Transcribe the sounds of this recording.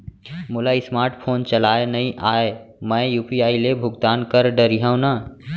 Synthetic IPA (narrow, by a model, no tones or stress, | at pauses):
mʊlaismaːɾʈpʰoːnt͡ʃəlaːenɐɦĩʔaːemə̃juːpiaːilebʱʊɡt̪aːnkəɾɖəɾiɦãw̃na